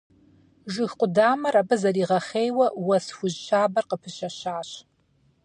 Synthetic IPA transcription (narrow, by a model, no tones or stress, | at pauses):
ʒʷʊxqʷʊdaːmɐɾabɐzɐriːʁɐχeːjwɐwɐsxʷʊʑʃʰaːbɐrqəpʰɨʃɐɕaːɕ